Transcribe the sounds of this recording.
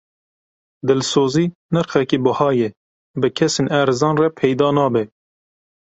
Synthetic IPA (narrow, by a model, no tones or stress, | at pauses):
d̪ɨlsoːziːnɨɾxɛkiːbʊhɑːjɛ | bɨkʰɛseːnæːɾɨzɑːnrɛpʰɛjd̪ɑːnɑːbɛ